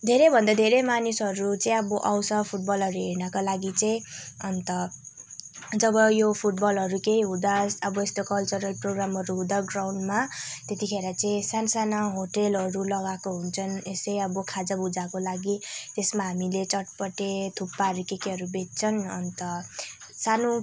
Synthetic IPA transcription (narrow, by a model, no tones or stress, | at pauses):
d̪ʱeɾebʱʌnd̪ad̪ʱeɾemanisʌɾut͡saĩʌbʌʔawsʌpʰuʈ̚bʌlɦʌɾuɦeɾnʌkolaɡit͡sʌĩʌnt̪ʌ | d͡zʌbʌjopʰuʈ̚bʌlɦʌɾukeiɦũd̪asʌbʌest̪okʌlt͡sʌɾʌlproɡramʌɾuɦũd̪aɡrawɳɖmat̪et̪ikʰeɾʌt͡saĩsansanʌɦoʈelɦʌɾulʌɡakoɦunt͡sʰʌnesʌjʌbʌkʰad͡zʌbud͡zakolaɡit̪esmaɦamilet͡sʌʈpʌʈet̪ʰupːaɾikekeɦʌɾubet̚t͡sʰʌnʌ̰nt̪ʌ | sano